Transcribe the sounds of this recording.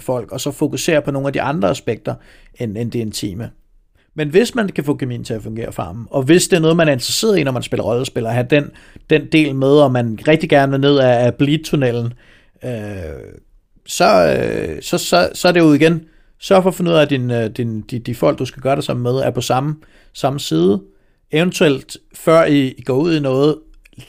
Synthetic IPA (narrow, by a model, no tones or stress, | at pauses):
fɒ̽l̰ɡ̥ɒ̽sɒ̽fo̝kʰuse̝̰ːɐpʰɒ̽no̝ːŋ̩næd̥iʔɑ̈nd̥ʁɐæsb̥eɡ̥̚d̥ɐ | enend̥e̝e̝nt͡sʰḭːmə | menʋe̝smænkʰæfɔ̰ːkʰæmḭːn̩t͡sʰe̝æfɔ̽ŋɡ̥e̝̰ːɐfɑ̈ːm̩ɒ̽ʋe̝sd̥e̝ɐnɔ̽ːð̞̩ˠmænæɐe̝nd̥ʁɐse̝̰ɐðˠinɒmænsb̥e̝lɐʁɒ̽lɒsb̥e̝lɐɒɦæd̥en | d̥end̥e̝̰ːlmeð̞ˠɒ̽mænʁɛɡ̥̚d̥iɡ̥æɐnəʋeɐne̝ð̞̰ˠæːb̥li̥t͡sʰunel̰n̩ | ø | sɒ̽ | sɒ̽sɒ̽sɒ̽æɐɾe̝jou̝ð̰ˠiɡ̥en | sɶɐfɒ̽fe̝nːṵð̰ˠæd̥inød̥ind̥id̥ifɒ̽l̰ɡ̥d̥usɡ̥æɡ̥ɶːɐɾ̥sɑ̈m̰̩með̞ˠæɐpʰɒ̽sɑ̈mə | sɑ̈məsiːð̞ˠə | eʊnt͡sʰuel̰d̥ | fɶɐ̰iːɡ̥ɒ̰ːuð̞̰ˠinɔ̽ːð̞̩ˠ